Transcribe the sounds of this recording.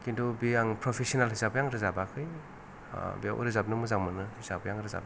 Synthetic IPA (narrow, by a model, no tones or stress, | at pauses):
kindɔbijaŋpɾopʰesiɔnalɦizabɯjaŋɾɯzabakʰɯj | bija̰ʔṵɾɯzap̚nɯmuzaŋmɯnɯhizabɯjaŋɾɯza̰b